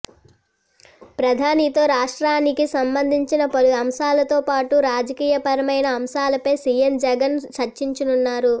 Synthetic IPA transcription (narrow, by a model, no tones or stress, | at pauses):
pɾɐd̪ʱaːnit̪o̞ːɾaːʂʈɾaːnikisɐmbɐnd̪ʱiɲt͡ʃinɐpɐluɐmʃaːlɐt̪o̞ːpaːʈuɾaːd͡ʒɐkiːjɐpɐɾɐmɐjnɐːmʃaːlɐpɐjsiːjemd͡ʒɛɡɐnt͡ʃɐɾt͡ʃiɲt͡ʃinunːaːɾu